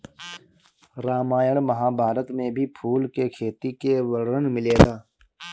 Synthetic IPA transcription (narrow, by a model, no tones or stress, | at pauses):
ɾaːmaːjəɽmɐɦaːbʱaːɾət̪mẽbʱipʰuːlkekʰeːt̪ikewɐɽɾənmɪleːd̪aː